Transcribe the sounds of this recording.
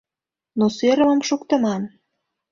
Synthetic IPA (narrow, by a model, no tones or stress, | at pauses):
noseɾə̆mə̆mʃukt̪ə̆mɑm